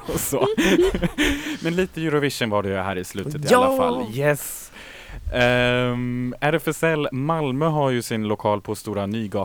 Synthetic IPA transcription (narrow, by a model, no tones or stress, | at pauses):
sɔ | mɛnliːt̪əjʉɾɔvɪʂənvaɖɛjɵɦæ̰ːɾɪslʉ̟ːt̪ət̪ɪalafa̰lːjɛs | æɾɛfəsɛlːmalmœɦaɾjɵsɪnlʊkʰɑːlpʰɔst̪uːɾanyːɡɑː